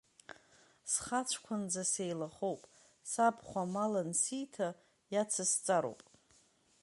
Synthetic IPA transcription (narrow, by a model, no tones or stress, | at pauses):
sχat͡ʃʷʰkʷʰand͡zasejlaχowpʼ | sapʰχʷamalansijtʰa | jat͡sʰast͡sʼaɾo̰wpʼ